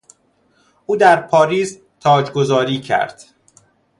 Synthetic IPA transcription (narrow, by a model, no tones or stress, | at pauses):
ʔuːd̪æɾpʰɒːɾiːz | t̪ʰɒːd͡ʒɡozɒːɾiːcʰæ̰ɾd̪̥